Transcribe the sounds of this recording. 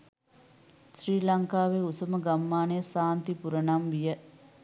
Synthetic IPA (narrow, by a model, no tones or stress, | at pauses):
sriːlɐŋkaːʋeusɐməɡɐmːaːnesaːnt̪ipuɾɐnamʋijə